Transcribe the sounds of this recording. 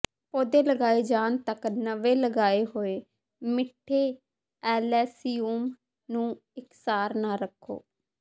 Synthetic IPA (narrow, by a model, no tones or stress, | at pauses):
poːd̪eːləɡaːeːd͡ʒaːnt̪əknəʋeːləɡaːeːɦoːeː | mɪʈʰːeː | ɛːlɛːsiːuːm | nũː | ɪksaːɾnaːɾəkʰːo̰ː